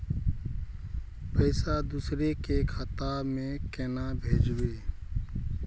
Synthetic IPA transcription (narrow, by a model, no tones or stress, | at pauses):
pəɪsad̪usɾekekʰət̪abmẽkenabʱed͡ʒbe